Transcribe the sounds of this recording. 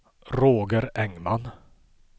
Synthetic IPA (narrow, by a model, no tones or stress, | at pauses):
ɾoːɡəɾɛŋman